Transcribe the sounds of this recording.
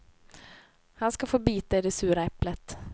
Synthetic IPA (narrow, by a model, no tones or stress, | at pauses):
hɑnskɑfoːbyːt̪aɪd̪ɛsʉːɾaɛplət̪